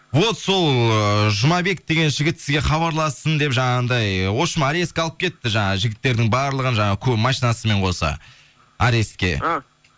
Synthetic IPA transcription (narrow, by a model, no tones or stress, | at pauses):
vo̞t̪so̞lˠəʒʊmɑbe̞k̚d̪e̞ɡʲe̞nʒɪɡʲɪt̪sɪzɡʲe̞χɑβɑɾlˠɑst̪ənd̪e̞pʒɑɴɑʁənd̪ɑjwo̞ʃəmaɾe̞skʲɑlˠəp̚kʲʰe̞t̪ːɪʒɑɴɑʒɪɡʲɪt̪ːe̞ɾd̪ɪŋbɑɾlˠəʁənʒɑɴɑəkʲʰɵpmɑʃijnɑsəme̞ɴqʰo̞sɑ̰ | aɾest̪kʲe̞̰